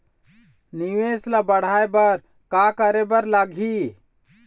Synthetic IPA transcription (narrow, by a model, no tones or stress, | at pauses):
niʋesləbəɽ̤aebəɾ | kakəɾebəɾləɡʱi